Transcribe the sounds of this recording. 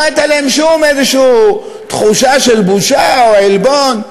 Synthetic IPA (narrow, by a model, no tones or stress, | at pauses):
et̪alaemʃumezeʃuu | t̪χuʃaʃelbuʃaoelbon